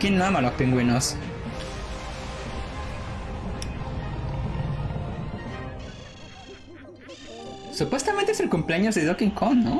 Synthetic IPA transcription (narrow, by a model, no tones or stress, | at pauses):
kinːoamalospeŋɡwenos | supwe̞st̪ament̪eeselkumpleaɲozðeðokiŋkʰonno